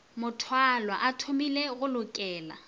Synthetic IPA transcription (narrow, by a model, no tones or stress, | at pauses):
mʊtʰwalwaʔatʰomileɣʊlʊkʼɛːla̰